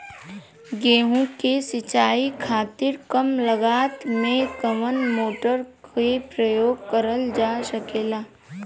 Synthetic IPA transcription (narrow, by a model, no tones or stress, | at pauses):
ɡeːɦũkesɪt͡ʃaːikʰaːt̪ɪɾkəmləɡaːt̪mẽɡəʋənmoːʈəɾkepɾəjoːɡ̚kəɾəld͡ʒaːsəkeːlaː